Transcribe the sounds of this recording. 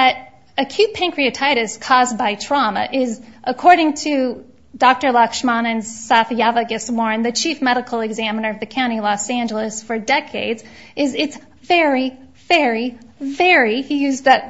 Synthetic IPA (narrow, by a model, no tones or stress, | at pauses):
ðɨɾ | ɨkʰj̥ʉt̚pʰẽɪ̃ŋkʰɹ̥iɨtʰaɪɾɨskʰɔzbaɪtʰɹ̥ɑmə̰ʔɪzʔəkʰɔɹɾɪ̃ŋtʰɨ | dɑk̚tə˞lɑkʃmɑnɨ̃nz̥saʊθjævəɡɨsmɔɹ̃nðɨt͡ʃʰifmɛɾɨkʰl̩ˠɨɡzæ̃mənə˞ʌvðɨkʰãʊ̃ñilɔsæ̃nd͡ʒl̩ˠəsfə˞dɛkʰeɪdzʔɪzɪts | vɛɹi | vɛɹivɛɹihijʉzðɨt̚